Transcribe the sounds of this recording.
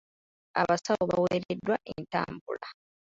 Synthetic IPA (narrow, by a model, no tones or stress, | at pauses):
aβasawoβaweːɾedːwaʔenta̰ːmbula